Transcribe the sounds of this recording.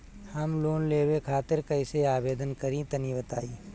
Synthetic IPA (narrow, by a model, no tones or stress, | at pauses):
hɐmloːnleːwekʰaːt̪ɪɾkɐɪseaːbeːd̪ənkɐɾĩt̪ɐnibɐt̪aːi